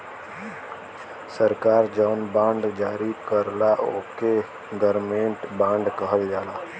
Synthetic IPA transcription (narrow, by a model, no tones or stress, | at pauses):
səɾkaːɾd͡ʒaʊnbãːɳɖd͡ʒaːɾikəɾlaʔoːke | ɡəɾmẽɳʈbãːɳɖkəɦəld͡ʒaːlaː